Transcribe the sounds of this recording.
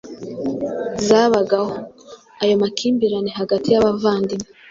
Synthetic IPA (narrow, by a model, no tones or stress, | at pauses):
zaːβaɡaho | ajo̞makʰiːmbiɾaneɦaɡatijaβavaːndime